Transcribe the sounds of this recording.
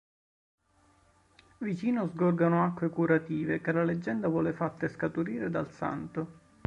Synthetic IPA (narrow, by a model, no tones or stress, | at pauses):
vit͡ʃiːnozɡorɡanʊakːwekuɾat̪iːvekelaled͡ʒːɛnd̪avwɔːlefat̪ːaeskat̪uɾiːɾed̪alsa̰nt̪o